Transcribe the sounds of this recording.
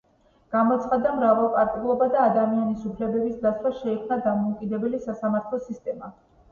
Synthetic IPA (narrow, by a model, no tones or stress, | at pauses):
ɡ̥amɔt̪sʰχad̪amɾavalˠpʼaɾt̪ʼulˠɔbad̪aːd̪amianisupʰlɛbɛbisd̪aswaʃɛɛkʰmnad̪amɔukʼid̪ɛbɛlisasamaɾt̪ʰlˠɔsist̪ʼɛma